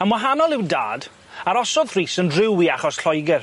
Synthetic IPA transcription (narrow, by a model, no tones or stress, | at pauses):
əmwaɦanɔlˠɪwda̰ːd | aɾɔsɔðr̥iːsəndrɪwiaχɔsɬɔjɡɪr